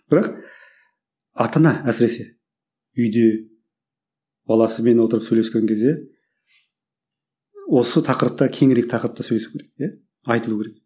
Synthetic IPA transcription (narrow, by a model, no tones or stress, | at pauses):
b̥ɪɾɑq | ɑt̪ɑnɑæsɪɾe̞se̞ | ʏjd̪e | b̥ɑlˠɑsəme̞nwo̞t̪əɾəpsɵjleskʲe̞ŋkʲʰe̞zd̪e̞ | wo̞sət̪ʰɑqəɾəp̚t̪ɑkʲʰe̞ŋɾe̞k̚ʲt̪ʰɑqəɾəpt̪ɑsɵjle̞su̥kʰʲeɾekja | ɑjt̪əlˠukʲʰeɾek̚